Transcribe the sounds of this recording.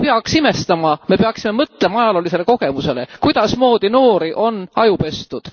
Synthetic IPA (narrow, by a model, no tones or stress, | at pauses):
peɑksime̞st̪ɑmɑme̞pe̞ɑksime̞mɤt̪ːˑle̞mɑɑjɑlolise̞le̞ko̞ɡ̥e̞muse̞le̞kujd̪̥ɑsmo̞ːd̪̥ino̞ːɾiʔo̞nɑjupe̞st̪ud̪̥